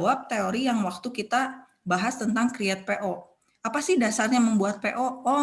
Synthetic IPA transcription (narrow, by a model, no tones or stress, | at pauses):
wap̚t̪eoɾijaŋwak̚t̪ukit̪a | baɦast̪ənt̪aŋkɾiat̪̚peʔo | apasɪhdasarɲaməmbuat̪̚peʔoɔ